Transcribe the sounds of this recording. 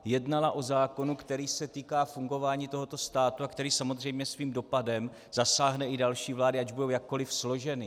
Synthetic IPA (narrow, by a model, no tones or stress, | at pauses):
jɛdnalaʔo̞zaːko̞nukt̪ɛɾiːsɛt̪iːkaːfuŋɡo̞vaːɲiːt̪o̞ɦo̞t̪o̞st̪aːt̪uakt̪ɛɾiːsamo̞zr̝ɛjmɲɛsviːmdo̞padɛm | z̥asaːɦnɛʔɪdalʃiːvlaːdɪaɟbudo̞wjak̚ːo̞lɪfslo̞ʒɛnɪ